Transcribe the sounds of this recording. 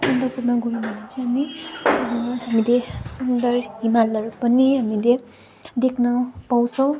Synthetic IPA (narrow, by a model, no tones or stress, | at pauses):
sʌnd̪ʌpurmʌɡojũbʱʌnet͡sʰʌ̃ɦami | ɦamilesund̪ʌrɦimalʌrpʌniɦamile | d̪ekʰnʌpaw̃t͡sʰʌ̃w̃